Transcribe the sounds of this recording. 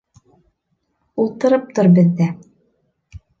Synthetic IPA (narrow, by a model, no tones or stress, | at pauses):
ulˠt̪ɤ̆ɾɤp̚t̪oɾbɘ̆ðːæ